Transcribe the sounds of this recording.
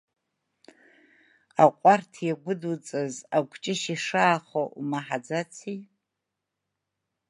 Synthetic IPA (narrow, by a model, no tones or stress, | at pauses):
aqʷʼartʰjaɡʷʊdut͡sʼazaɡʷt͡ʃʼɪʃiʂaːχoumaħad͡zat͡sʰi